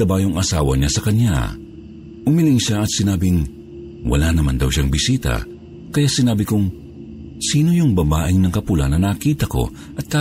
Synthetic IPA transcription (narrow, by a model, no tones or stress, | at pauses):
ɐbaːjoŋɐsaːwɐ̰ɲasɐkɐɲja̰ | ʔʊmilɪŋʃaɐt̪sɪnaːbɪŋ | wɐ̰lanɐma̰nd̪ɐwʃaŋbɪsiːt̪ɐ̰ | kɐjaʔsɪnaːbɪkʊŋ | siːnojʊŋbɐbaːʔɪŋnɐŋkɐpulɐ̰nɐnɐkiːt̪ɐko̞̰ | ʔɐt̪̚ka